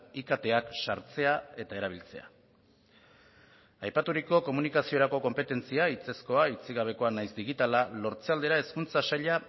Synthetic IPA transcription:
ikat̪e̞akʃaɾt͡se̞ae̞t̪ae̞ɾaβ̞ilt͡se̞̰a̰ | ajpat̪uɾiko̞ko̞munikasio̞ɾako̞ko̞mpe̞t̪e̞nt͡siait͡se̞sko̞ait͡siɣ̞aβ̞e̞ko̞anajzd̪iɣ̞it̪alalo̞ɾt͡seald̪e̞ɾae̞skunt͡sasaʎa

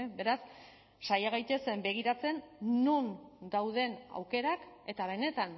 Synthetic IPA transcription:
be̞ɾasː | ajaɣ̞ajt̪e̞sbe̞ɣ̞iɾat͡se̞nːund̪awð̞e̞na̰wke̞ɾake̞t̪aβ̞e̞ne̞t̪an

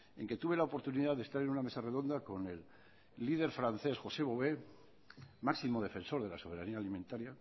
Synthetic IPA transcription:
e̞̰ŋke̞t̪uβe̞laopo̞ɾt̪uniðaðest̪aɾe̞nuname̞sare̞ðo̞nd̪ako̞ne̞lː | ið̞e̞ɾfɾanθe̞sxo̞se̞βo̞βe̞ | maksimo̞ð̞e̞fẽ̞nso̞ɾð̞e̞laso̞β̞e̞ɾaniaːlimẽnt̪aɾja

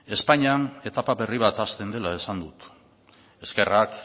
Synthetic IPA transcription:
e̞spaɲiane̞t̪apaβe̞riβat̪ast̪e̞nd̪e̞lae̞sand̪ut̪ | e̞ske̞rak

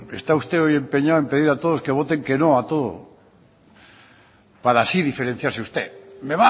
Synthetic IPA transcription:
est̪aust̪eoje̞mpeɲawempe̞ðiɾat̪oð̞oskeβ̞ot̪e̞ŋke̞noat̪o̞ðo̰ | paɾasiðifeɾen̟θjaɾseust̪emeβa

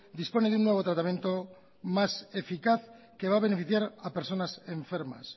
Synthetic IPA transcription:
d̪ispo̞neðunːwe̞β̞o̞t̪ɾat̪amje̞nt̪o̞ | mase̞fikaθ | ke̞βaβ̞e̞ne̞fiθjaɾape̞ɾso̞nase̞ɱfe̞ɾma̰s

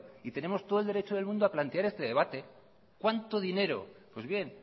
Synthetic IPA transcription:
it̪e̞ne̞mo̞st̪oðoldeɾet͡ʃoðe̞lmũnd̪oaplant̪eaɾe̞st̪e̞ðe̞β̞at̪e̞ | kwant̪oðine̞ɾo̞̰pwe̞zβje̞n

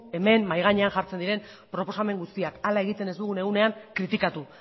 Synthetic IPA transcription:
e̞me̞mmːajɣ̞aɲe̞aŋʝaɾt͡send̪iɾe̞m | pɾo̞po̞same̞ŋɡust̪iakalae̞ɣit̪e̞ned̪uɣune̞ɣune̞aŋkɾit̪ikat̪u

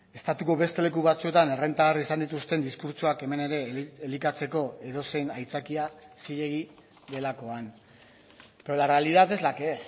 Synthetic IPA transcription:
e̞st̪at̪uko̞βe̞st̪e̞le̞kuβat͡sue̞t̪ane̞re̞nt̪aːrisand̪it̪ust̪e̞nd̪iskuɾt͡ʃoake̞me̞ne̞ɾe̞ːlikat͡se̞ko̞e̞ðo̞se̞najt͡sakiasiʎe̞ɣ̞i | ðe̞lako̞an | polarealiðate̞zlakes

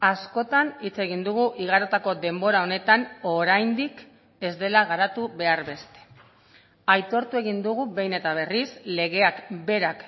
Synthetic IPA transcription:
asko̞t̪anit͡se̞ɣind̪uɣ̞uʔiɣaɾot̪ako̞d̪e̞mbo̞ɾao̞ne̞t̪ano̞ɾajnd̪ik | e̞zd̪e̞laɣaɾat̪uβe̞aɾβe̞st̪e̞̥ | ajt̪o̞ɾt̪ue̞ɣind̪uɣuβe̞jne̞t̪aβ̞e̞risle̞ɣ̞e̞akbe̞ɾak

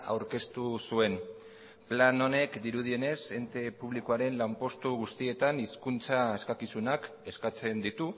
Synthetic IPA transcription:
a̰wɾke̞st̪usue̞n | plano̞ne̞kd̪iɾuð̞ie̞ne̞se̞nt̪e̞puβ̞likoaɾe̞nlawmpo̞st̪uɣust̪ie̞t̪aniskunt͡saeskakisunak | e̞skat͡se̞nd̪it̪u

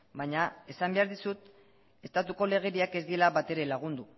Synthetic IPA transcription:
bajɲae̞sambe̞aɾðisut̪ | e̞st̪at̪uko̞le̞ɣ̞e̞ɾiake̞zd̪ie̞laβat̪e̞ɾe̞laɣ̞und̪u

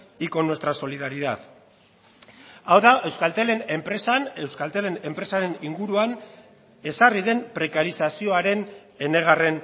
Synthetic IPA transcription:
iko̞nwe̞st̪ɾaso̞liðaɾiðað | awðaʔe̞wskalt̪ele̞ne̞mpɾe̞sanewskalt̪ele̞ne̞mpɾe̞saɾe̞niŋɡuɾuan | e̞sariðe̞mpɾe̞kaɾisasio̞aɾe̞n | e̞ne̞ɣ̞are̞n

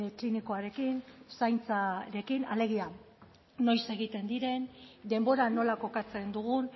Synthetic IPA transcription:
kliniko̞aɾe̞kinsajnt͡saɾe̞kinale̞ɣ̞ia | no̞jse̞ɣit̪e̞nd̪iɾe̞nd̪e̞mbo̞ɾano̞lako̞kat͡se̞nd̪uɣ̞un

